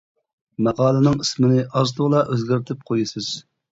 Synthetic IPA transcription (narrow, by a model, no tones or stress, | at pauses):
mæʁɑːlˠɨnɨŋismɪnɪʔɑzt̪ʰʊʁlˠɑʔøzɡʲɪɾt̪ʰɪp̚qʰojɨsɨz̥